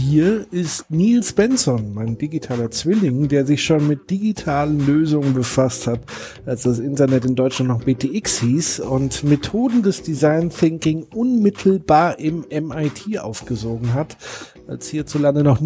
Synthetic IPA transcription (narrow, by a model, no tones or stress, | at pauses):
hiːɐɪstniːlsb̥ɛnsɔnmaɪndiɡitʰaːlɐt͡sv̥ɪlɪŋdeːɐzɪçʃoːnmɪt̚d̥iɡitʰaːlənløːzʊŋənbəfasthat | ʔalsd̥asʔɪntɐnɛtɪndɔʏt͡ʃlantnɔχb̥eːtʰeːʔɪkshiːsʊntmetʰoːdn̩dɛsd̥izaɪnθɪŋkɪŋʔʊnmɪtʰl̩baːɐʔɪmʔɛmaɪtʰiːʔa̰ʊfɡ̥əzoːɡŋ̩ɦatʔa̰lshiːɐt͡sulandənɔχn